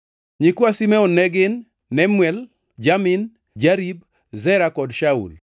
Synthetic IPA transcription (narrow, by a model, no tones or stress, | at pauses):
ɲikwasimɛɔnːɛɡɪnː | ɛmwɛl | d͡ʒamɪn | d͡ʒaɾib | zɛɾakɔdʃaṵl